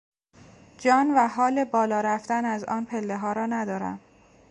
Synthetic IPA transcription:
d͡ʒɒːnvæɦɒːle̞bɒːlɒːɾæft̪ænæzɒːnpʰelːe̞ɦɒːɾɒːnæd̪ɒːɾæ̰m

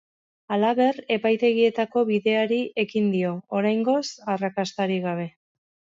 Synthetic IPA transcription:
alaβe̞re̞pajt̪e̞ɣ̞ie̞t̪ako̞βiðe̞aɾiʔe̞kind̪io̞oɾajŋɡo̞sarakast̪aɾiɣaβ̞e̞

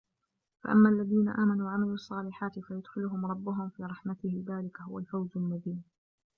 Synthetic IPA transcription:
fa̰ʔamːaːlːaðiːna̰ʔaːmanuːʕamaluːɑsˤːɑːlɪħaːt̪ɪfajʊd̪xɪlʊɦʊmɾˤɑbːʊɦʊmfiːɾˤɑħmat̪ɪhɪðaːlɪkahʊwalfawzalmʊðiːm

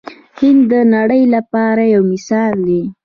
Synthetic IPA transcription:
hɪnd̪ːənaɽəjlapɑɾajawmɪsɑld̪e

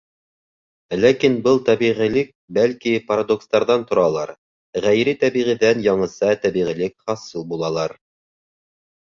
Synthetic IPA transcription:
lækinbɤlˠt̪æβiʁilɘk̚bælkipɐɾad̪okst̪ɑɾðɑnt̪ŏɾɑlˠɑɾ | ʁæjɾɘt̪æβiʁiðænjɑɴɤ̆sɑt̪æβiʁilɘkχɑsɤlˠbulˠɑlˠɑɾ

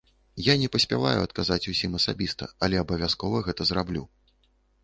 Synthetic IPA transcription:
janʲɛpɐsʲpʲa̰va̰juɐt̪̚kazat͡sʲusʲimɐsabʲist̪ɐ̰ɐlʲɛɐbɐvʲaskɔvɐɣɛt̪ɐzrablʲṵ

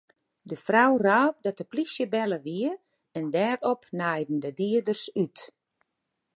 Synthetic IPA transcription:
dəfrawraːp̚dɔtəplisjəbɛləʋiə | ɛndɛːɾɔpnajdn̩dədiədərsyt

